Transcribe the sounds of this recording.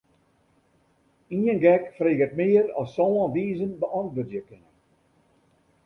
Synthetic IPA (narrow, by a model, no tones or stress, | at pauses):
iənɡɛkfreːɣət̚mɪːəɾɔ̰sːɔːə̃nʋiːzənbəʔɔntʋətjəkɪnə